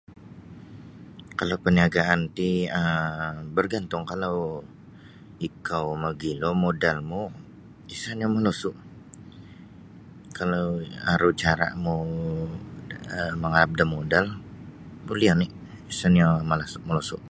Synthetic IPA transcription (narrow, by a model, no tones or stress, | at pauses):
kalawpəniaɡaʔant̪iəbərɡant̪ʊŋkalaw | ikawməɡilomodalmu | isanjaŋməlosʊʔ | kalowaɾut͡ʃaɾa̰ʔmu | əməŋaɾap̚damodal | bulianɪ | isanjaməlasʊʔməlosʊʔ